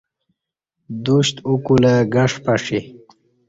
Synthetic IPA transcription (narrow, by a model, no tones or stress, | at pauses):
d̪uɕt̪ukuləɡaʂpaʂi